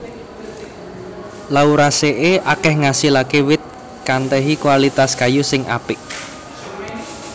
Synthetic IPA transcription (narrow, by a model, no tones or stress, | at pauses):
lauɾaseʔeʔakɛhŋasilakewɪt̪̚ | kant̪ɛɦikuwalit̪askajusɪŋʔa̰pɪk̚